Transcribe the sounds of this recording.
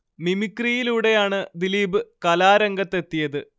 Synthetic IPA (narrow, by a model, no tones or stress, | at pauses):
nimikːrijiluːɽe̞jaːɳɨd̪iliːbɨkɐlaːɾɐŋɡɐt̪ːe̞t̪ːijɐðɨ